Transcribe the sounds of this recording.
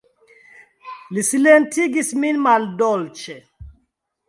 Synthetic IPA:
lisilentiɡisminmaldɔlt͡ʃe

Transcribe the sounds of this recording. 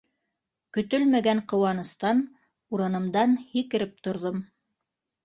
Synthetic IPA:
kɵ̆t̪ɵlmæɡæɴqɤ̆wɑnɤ̆st̪ɑn | uɾɤ̆nɤ̆md̪ɑnhikɘ̆ɾɘp̚t̪ŏɾðom

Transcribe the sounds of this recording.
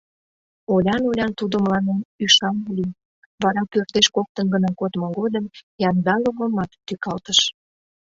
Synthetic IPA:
olʲɑnolʲɑnt̪ud̪omlɑnenyʃɑnolʲi | βɑɾɑpørt̪eʃkok̚t̪ənɡənɑkot̪moɡod̪əmjɑnd̪ɑloɣomɑt̪ːykɑlt̪əʃ

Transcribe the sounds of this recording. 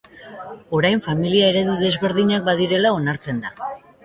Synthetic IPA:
o̞ɾajɱfamiliae̞ɾe̞ðuðe̞zβe̞ɾðiɲak̚baðiɾe̞lao̞naɾt͡se̞nd̪a

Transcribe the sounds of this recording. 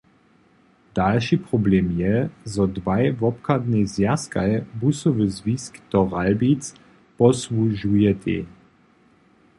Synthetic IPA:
d̪̥alʃipʁɔblemjɛzɔdvajvɔp̚kad̪nezjaska̰jbusovəzviskd̪̥ɔʁalbit͡s | pɔsluʒujɛt̪ʰḛ

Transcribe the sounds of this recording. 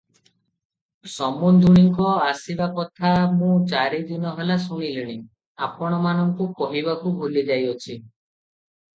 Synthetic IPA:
sɔmund̪ʱuɽ̃iŋkɔasibakɔt̪ʰamũt͡ʃaɾid̪unɔɦelasuɽ̃iliɽ̃i | apɔɽ̃ɔmanɔŋkukɔɦiβakubʱulid͡ʒajɔt͡ʃʰi

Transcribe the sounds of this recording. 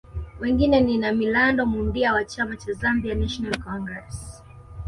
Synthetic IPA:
wɛŋɡinɛninamilandɔmundiawat͡ʃamat͡ʃazambianaʃɔnalkɔŋɡɹɛs

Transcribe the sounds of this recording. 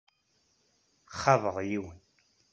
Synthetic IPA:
χɑvəʁjiwən

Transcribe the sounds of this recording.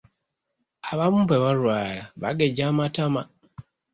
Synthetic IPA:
aβamumpeβalwaːlaβa̰ɡeɟamatama

